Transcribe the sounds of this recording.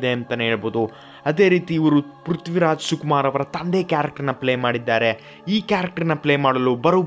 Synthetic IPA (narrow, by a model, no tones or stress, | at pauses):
d̪eɐnt̪ɐnɦeːɭboːd̪u | ɐd̪e̞ːɾiːt̪iːʋɐɾupɾut̪ʋiɾaːd͡ʒsukumaːɾɐʋɐɾɐt̪ɐnd̪eːkjaːɾɐk̚ʈɐɾnːɐpleːmaːɽid̪ːaːɾe̞ | iːkaːɾɐk̚ʈɐɾnːɐpɭeːmaːɽɐlubɐɾu